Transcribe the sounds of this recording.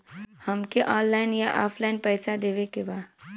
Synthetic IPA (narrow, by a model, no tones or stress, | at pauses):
hɐmkeʔɔ̃ːnlaːɪnjaʔɔːpʰlaɪnpɛːsad̪eːʋekebaː